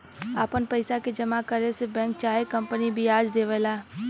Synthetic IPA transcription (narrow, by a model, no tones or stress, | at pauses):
aːpənpəɪsaked͡ʒəmakəɾesebɛ̃ːŋk̚t͡ʃaːekə̃mpənibʱiaːd͡ʒd̪eːʋəːlaː